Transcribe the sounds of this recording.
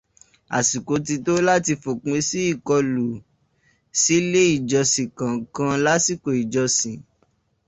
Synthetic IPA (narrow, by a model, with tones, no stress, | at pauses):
a̰˨si˨ko˨˦t̬i˧to˦la˦ti˧fo˨k͡pẽ˨˧˦si˦i˦˨kɔ˧lu˨ | si˦le˦i˦˨d͡ʒɔ˧sĩ˨kã˨kã˧la˦si˦˨ko˨i˨d͡ʒɔ˧sĩ˨